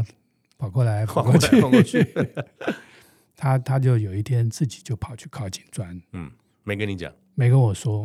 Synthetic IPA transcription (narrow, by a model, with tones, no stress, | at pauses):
pʰɑ˨˩ʊkwɔ˥˩la˧˥ɪpʰɑ˨˩kwɔ˥˧t͡ɕʰy˥˧ | t̪ʰa˥t̪ʰa˥t͡ɕjo˥˩ʊjo˨˩ʊi˥˩t̪ʰjɛ˥nt͡sɹ̩˥˩t͡ɕi̥˨˩t͡ɕjo˥˩ʊpʰɑ˨˩ʊt͡ɕʰy˥˧kʰɑ˥˩ʊt͡ɕi̥˨˩nt͡swa˥n̩˥˩ | me˨˥ɪkə˦ni˧˥t͡ɕja̰˨˩˦ | me˧˥ɪkə˥nwɔ˨˩ʂwɔ˥